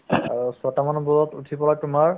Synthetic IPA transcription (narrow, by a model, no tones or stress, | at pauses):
a̰ɹusɔtamanɔbuɹɔtṵtʰipɔlaɡ̚tʊmaɹ